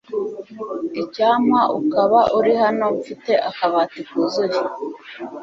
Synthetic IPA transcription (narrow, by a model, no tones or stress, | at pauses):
icaːmaʔṵkaβaʔuɾihano̞fite̞ʔakaβaːtikuzuɾi